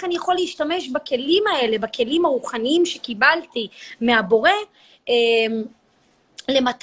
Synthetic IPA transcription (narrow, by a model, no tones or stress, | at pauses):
eχanijaχo̞leiʃtame̞ʃbake̞limae̞le̞bake̞limhaʁuχaniimʃekibaltimeabo̞ʁe̞ | m | le̞mat